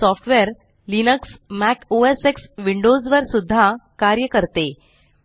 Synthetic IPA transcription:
sɔfʈʋeɾ | linəksmækoeseksʋiɳɖozʋəɾsud̪ʱːakaɾjəkəɾt̪e

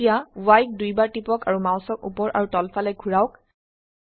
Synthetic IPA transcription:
ijawajk̚dujbaɹtipɔkaɹumaw̃sɔkṵpɔɹʔa̰ɹutɔlfʰalɛɡʱuɹaʊk

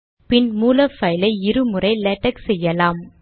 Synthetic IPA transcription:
pɪnmuːlɐfɐɪlɐɪɪɾɯmɯrɐɪlɛʈːɐksɛjːɐlaːm

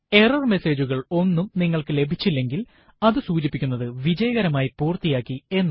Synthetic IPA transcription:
e̞rɐrme̞se̞ːd͡ʑuɣɐɭo̞nːumniŋːɐɭkɨle̞bʱit͡ɕːilːe̞ŋɡil | ɐðɨsuːd͡ʑipːikʲːunːɐðɨʋid͡ʑɐjɐɣɐɾɐmaːjipuːrt̪ijaːkːie̞nː

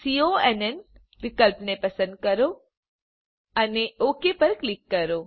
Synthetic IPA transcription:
sioɛnɛn | ʋɪkəlpnepəsə̃nd̪̚kəɾo | əneokepəɾklikːəɾo

